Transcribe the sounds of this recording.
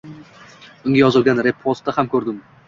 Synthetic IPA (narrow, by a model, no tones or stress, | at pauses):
ʊŋɡʲajɒzɨlˠɡʲanɾepʰːost̪ːahamkʲʰɵɾd̪ɪm